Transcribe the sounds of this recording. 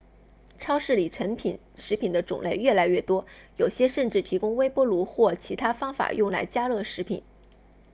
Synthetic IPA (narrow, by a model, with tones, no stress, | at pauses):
ʈ͡ʂʰɑ˥ʊʂɻ̩˥˩li˨˩ʈ͡ʂʰə˧˥npʰḭ˨˩˦n | ʂɻ̩˧˥pʰi˨˩nd̪ə˦ʈ͡ʂʊ̰˨˩ŋle˥˧ɪɥɛ˥˩la˧˥ɪɥɛ˥˩t̪wɔ˥jo˨˩ʊɕjɛ˥ʂə˥˧nʈ͡ʂɻ̩˥˩t̪ʰi˧˥kʊ˥ŋwe˥ɪpwɔ˥lu˧˥xwɔ˥˩t͡ɕʰi˧˥t̪ʰa˥fɑ˥ŋfa̰˨˩jʊ˥˩ŋla̰˧˥ɪt͡ɕja˥lɤ˥˩ʂɻ̩˧˥pʰḭ˨˩˦n